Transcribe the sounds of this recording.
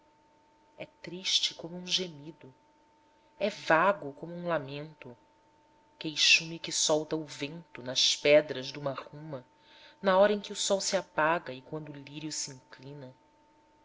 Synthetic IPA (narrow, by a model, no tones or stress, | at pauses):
ɛt̪ɾiʃt͡ʃɪkõmʊũʒemid̪ʊ | ɛvaɡʊkõmʊũlamẽnt̪ʊ | kejʃũmɪkɪsɔwt̪ɐʊvẽnt̪ʊnɐspɛd̪ɾɐʒd̪ũmɐhũmɐ | nɐɔɾɐẽkʲɪʊsɔwsiapaɡɐɪkwɐ̃nd̪ʊːliɾjʊsiĩŋklĩnɐ